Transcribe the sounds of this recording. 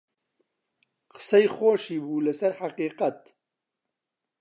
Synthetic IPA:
qə̥sɐjχoːʃiːbuːlɨsɐɾħaqiːqɐt̪

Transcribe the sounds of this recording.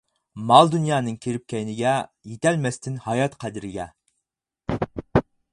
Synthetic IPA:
mɑlˠd̪unjɑːnɨŋkʲʰeɾɪp̚kʲɛjnɪɡʲɛjet̪ɛlmɛst̪ʰɪnhɑjɑt̪qʰæd̪ɪɾɪɡʲɛ

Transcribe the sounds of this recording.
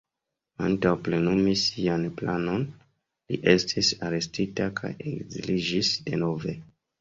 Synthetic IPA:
antawple̞numisianplano̞n | lḭʔe̞stʰisaɾe̞stitakʰa̰je̞̰ɡzḭlid͡ʒisde̞no̞ve̞

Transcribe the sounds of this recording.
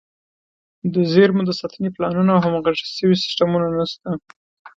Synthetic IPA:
d̪əzeɾmud̪əsɑt̪əneplɑnunaːwɦamaɣaʒə̥səwisɪ̥sʈamunanast̪a

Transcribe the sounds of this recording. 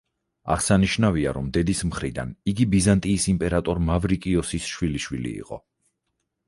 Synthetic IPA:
a̰ʁsaniʃnaviaɾɔmd̪ɛd̪ismχɾid̪a̰niɡibizant̪ʼiːsimpʼɛɾat̪ʼɔɾmavɾikʼiɔsisʃwiliʃwilḭːqʼɔ̰

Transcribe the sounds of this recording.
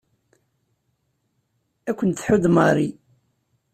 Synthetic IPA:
ækʷːənθħʊd̪məɾˤi

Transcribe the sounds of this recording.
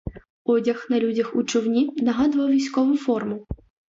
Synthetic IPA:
ɔdʲɐxnɐlʲudʲɐxut͡ʃɔwnʲinɐɦɑd̪ʊʋɐwʋʲijsʲkɔʋʊfɔrmʊ

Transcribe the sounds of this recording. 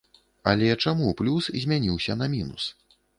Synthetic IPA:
ɐ̰lʲɛt͡ʂamuplʲuszʲmʲanʲiwsʲɐnɐmʲinṵs

